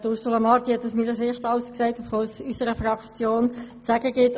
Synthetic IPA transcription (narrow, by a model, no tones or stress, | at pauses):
dʊɾsulamɑɾt̪ihɛtːusmiːnəsɪχtɑwsksɛɪtfolsysəɾəfʁɑkt͡sjoːnt͡sæɡəɡɪt